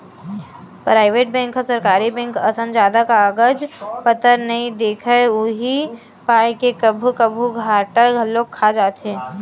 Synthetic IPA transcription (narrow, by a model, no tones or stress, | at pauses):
pɾaːɪʋeːʈ̚bɛ̃ːŋkɦɔsəɾkaːɾibɛ̃ːŋkəsə̃nd͡ʒaːd̪akaːɡəd͡ʒpət̪əɾnɐɦĩd̪eːkʰəʊɦi | paːjkekəbʱukəbʱuɡʱaːʈəɾɡʱɐlːoːɡ̚kʰːad͡ʒaːt̪ɛ̃ː